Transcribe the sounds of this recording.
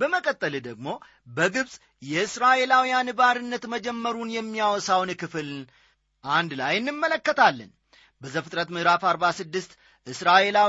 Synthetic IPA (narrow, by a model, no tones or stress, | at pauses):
bəməkʼət̪ʼːəld̪əɡmo̞ | bəɡɨβsʼ | jɛɨsɾaʔe̞lawijanɨbaɾɨnːət̪məd͡ʒɛmːəɾunjɛmːijawɔsawnkʰɨfɨl | ʔand̪lajɨnːɨmːələkːət̪ʰalːə̰n | bəzəfɨt̪ʼɾət̪mɨhɾafaɾbasɨd̪ːɨst̪ | ʔɨsɾaʔe̞la